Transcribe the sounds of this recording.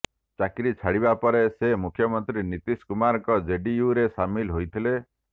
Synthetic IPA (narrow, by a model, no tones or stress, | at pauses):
t͡ʃakɾit͡ʃʰaɽibapɔɾesemukʰːjɔmɔnt̪ɾinit̪iskumaɾɔŋkɔd͡ʒeɖijuɾesamilɦojt̪ʰile